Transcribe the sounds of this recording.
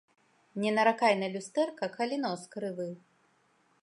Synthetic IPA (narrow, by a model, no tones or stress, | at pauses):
nʲɛnɐɾakajnɐlʲust̪ɛrkɐkɐlʲinɔskɾɨvɨ